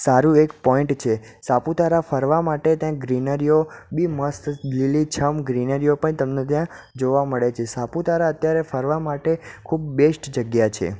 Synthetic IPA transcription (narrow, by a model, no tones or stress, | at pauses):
saɾũekpɔiɳʈt͡ʃʰe | saput̪aɾafəɾʋamaʈet̪jãɡɾinəɾijobiməst̪lilit͡ʃʰəmɡɾinəɾijopəɳt̪əmnet̪jã | d͡ʒoʋaməɭet͡ʃʰesaput̪aɾaət̪jaɾefəɾʋamaʈekʰubbesʈd͡ʒəɡjat͡ʃʰḛ